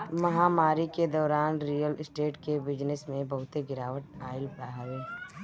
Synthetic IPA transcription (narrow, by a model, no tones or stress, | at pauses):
mɐɦaːmaːɾiked̪ɔːɾaːnɾiːjəlɪsʈeːʈkebɪd͡ʒnɪsmẽbɐɦʊt̪eɡɪɾaːʋəʈaːɪlpaɦaeː